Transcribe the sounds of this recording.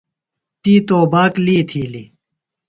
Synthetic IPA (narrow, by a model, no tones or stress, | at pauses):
t̪iːt̪oːbaːkliːt̪ʰiːli